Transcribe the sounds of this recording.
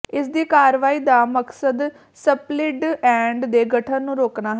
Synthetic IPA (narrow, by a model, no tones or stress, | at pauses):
ɪsd̪iːkaːɾʋaːiːd̪aːməksəd̪ | səplɪʈɛ̃ːɳɖd̪eːɡʱəʈʰənːũːɾoːknaːɦ